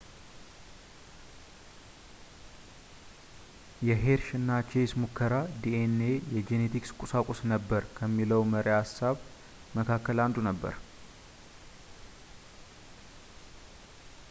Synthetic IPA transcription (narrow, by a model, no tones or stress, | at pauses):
jɛɦe̞ɾʃɨnːat͡ʃesmukʰːəɾad̪ienejɛd͡ʒe̞net̪ʰikskʷʼusakʼʊsnəbːəɾkʰəmːiləwməɾeasːaβ | məkʰakːəland̪unəbːə̰ɾ